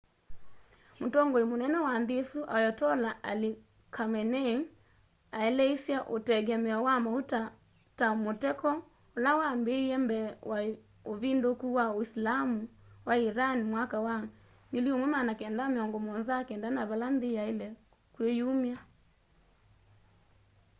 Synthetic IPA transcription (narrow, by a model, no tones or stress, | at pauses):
motɔŋɡɔimonɛnɛwanðesuʔajɔtɔlaʔali | kʰamɛnɛ | aɛlɛisjaʔotɛɡɛmɛawamauta | tamotɛkɔ | olawambeɛmbɛwa | oβindokuwaoislamuwaiɾanimwakawa | ŋɡeliomwɛmanakɛndameɔŋɡɔmɔnzakɛndanaβalanðeaelɛ | kwejumia